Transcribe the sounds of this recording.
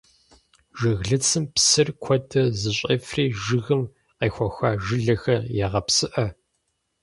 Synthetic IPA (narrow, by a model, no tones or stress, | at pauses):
ʒɪɣɮɨt͡sʰɨmpsɨrkʷʰɔdʰɐzɨɕʼɐfreːʒɨɣɨm | qeːxʷɔxʷaːʒɪɮɐxɐjaʁɐpsɨʔɐ